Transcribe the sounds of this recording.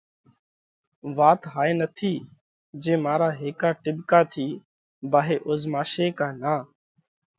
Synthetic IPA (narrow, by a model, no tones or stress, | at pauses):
ʋaːt̪ɦaːeːnət̪ʰiː | d͡ʒẽːmaːɾaːɦeːkaːʈɪbkaːt̪ʰiː | baːɦeːʔʊzmaːʃeːkaːnaː